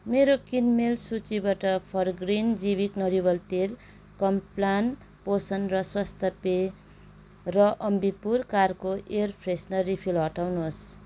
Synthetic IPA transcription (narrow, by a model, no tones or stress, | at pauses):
meɾokinmelsut͡sibaʈʌpʰʌrɡrind͡zibiknʌɾiβʌlt̪el | kʌmplan | posʌnrʌswʌst̪ʌpe | rʌʔʌmbipurkarkoʔerpʰresnʌripʰilɦʌʈawnos